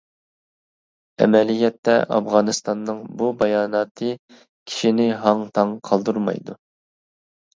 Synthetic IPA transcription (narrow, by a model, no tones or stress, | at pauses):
ɛ̰mɛlijɛt̪ːɛ̰ʔɑ̰fʁɑnɨst̪ɑnːɨŋbubɑjɑːnɑt̪ʰɨ | kʲʰi̥ʃinɪɦɑŋt̪ʰɑŋqʰɑlˠd̪uɾmɑ̰jd̪u